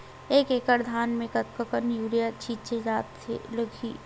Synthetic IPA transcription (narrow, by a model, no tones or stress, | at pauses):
eːkeːkəɾd̪ʱaːnmẽkɐt̪̚kəkənjuːɾijat͡ʃʰiːt͡ʃed͡ʒaːt̪ːḛləɡʰʱḭː